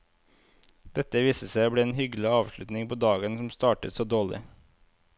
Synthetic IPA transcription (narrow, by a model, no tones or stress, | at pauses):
d̪̥ɛt̪əʋiːsəsæɪbɽeːeːnhʏɡl̩ɪɑːʋʃlʉt̪nɪŋpʰoːd̪ɑːɡənsɔmst̪ɑːʈət̪soːd̪oːɭɪ̰